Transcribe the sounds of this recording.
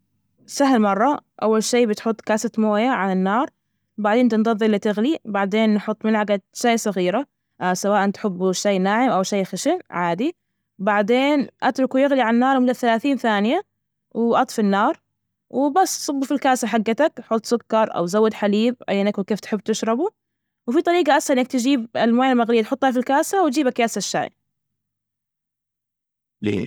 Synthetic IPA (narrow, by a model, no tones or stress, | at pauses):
saɦlmɑrˤːɑʔawːalʃiːbɪt̪ħʊt̪ˤːkaːsat̪moːjaʕalanːɑːɾˤ | baʕd̪eːnt̪ɪnd̪ˤɑðˤːiʔlːit̪ɪɣlibaʕd̪eːnːħʊt̪ˤːmɪnhaɡad̪ʃaːsˤɑɣiːɾa | sawaːʔant̪ħɪbːʃajːnaːʕɪmʔawʃajːxaʃɪmʕaːd̪i | baʕd̪eːnʔat̪ɾˤʊkujɪɣliʕaanːɑːɾˤwmɪlɪθːalaːθiːnθaːnɪja | wɪʔɑt̪ˤfɪnːɑːɾˤ | wɪbasːsˤʊbːufilkaːsaħaɡːat̪akħʊlt̪ˤsˤʊkːɑɾˤʔa̰wzawːɪd̪ħaliːb̚ʔa̰jːʔɪnːakwɪkeːft̪ħɪbːt̪ɪʃɾˤɑbu | wfit̪ˤɑɾiːɡɑʔashaʔɪnak̚t̪ɪd͡ʒiːbɪlmaːjalmaɣlijːat̪ħʊt̪ˤːhalfilkaːsawd͡ʒiːbakjaːsaʃːa̰ːj | lḛː